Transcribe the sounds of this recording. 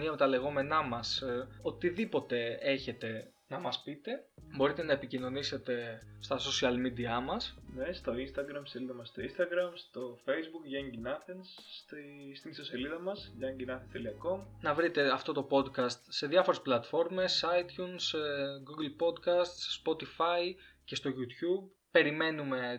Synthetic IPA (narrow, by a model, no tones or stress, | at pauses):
niɐme̞t̪ɐle̞ɣo̞me̞nɐmɐsot̪iðipo̞t̪e̞e̞çe̞t̪e̞ | nɐmɐspit̪e̞bo̞ɾit̪e̞nɐe̞picino̞nise̞t̪e̞st̪ɐso̞siɐlmid̪iɐmɐsnest̪o̞inst̪ɐɡɾɐmsseliðɐmɐsːt̪oinst̪ɐɡɾɐmst̪o̞fe̞jzbukʝɐɲɟinɐθenst̪ist̪inso̞seliðɐmɐsʝɐɲɟinɐθest̪eliɐko̞mnɐvɾit̪e̞ɐft̪o̞t̪o̞po̞d̪kɐst̪se̞ðjɐfo̞ɾe̞splɐt̪fo̞ɾme̞sɐjt̪çunsɡuɡlpo̞d̪kɐst̪ːpo̞t̪ifɐjce̞st̪o̞ʝut̪çub̚ | pːe̞ɾime̞nume̞